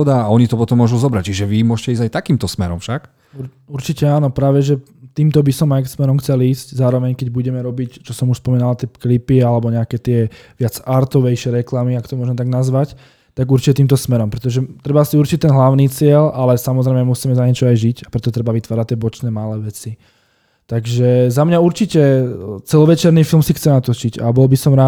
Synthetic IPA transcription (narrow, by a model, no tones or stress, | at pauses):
ɔd̪aaɔɲit̪ɔpɔt̪ɔmːʊɔʒuzɔbɾact͡ʃiʒɛʋimʊɔʃcɛizajt̪akiːmt̪ɔsmɛ̰ɾɔmfʃak | uɾ | uɾt͡ʃicɛaːnɔpɾaːʋɛʒɛ | t̪iːmt̪ɔbisɔmajksmɛɾɔmxt͡sɛliːsczaːɾɔʋɛɲkɛɟbuɟɛmɛɾɔbict͡ʃɔsɔmuʃspɔmiːnalat̪ɛpklipialɛbɔɲɛakɛːt̪ɪɛʋɪad͡zaɾt̪ɔʋɛjʃɛɾɛklamiakɔ̥t̪ɔmʊɔʒmɛt̪aɡnazʋac | t̪aɡuɾt͡ʃi̥cɛt̪iːmt̪ɔsmɛɾɔmpɾɛt̪ɔʒɛt̪ɾɛbaasiuɾt͡ʃic̚t̪ɛnɦlaʊniːt͡sɪɛlalɛsamɔzɾɛɪmɛmusiːmɛzaɲɛt͡ʃɔajʒicapɾɛt̪ɔt̪ɾɛbaʋit̪ʋaːɾac̚t̪ɪɛbɔt͡ʃnɛːmalɛːʋɛt͡si | t̪aɡʒɛzamɲauɾt͡ʃicɛt͡sɛlɔʋɛt͡ʃɛɾniːfilˠmsixt͡sɛnat̪ɔt͡ʃica̰bɔlbisɔmɾaː